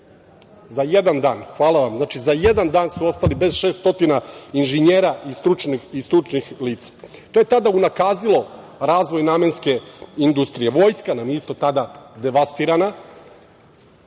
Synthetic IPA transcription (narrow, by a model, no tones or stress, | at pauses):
zajed̪and̪aːnxʋaːlˠaʋamznaːt͡ʃizajed̪and̪aːnsuo̞st̪alibe̞zʃeːst̪o̞t̪inainʒeɲeːɾaist̪ɾut͡ʃniist̪ɾut͡ʃnixliːt̪sḁt̪o̞jet̪ad̪aunakaːzilˠo̞ | ɾaːzʋo̞jnaːme̞nske̞ind̪ust̪ɾije̞ʋo̞ːjskanamjeist̪o̞t̪ad̪ad̪e̞ʋast̪iːɾana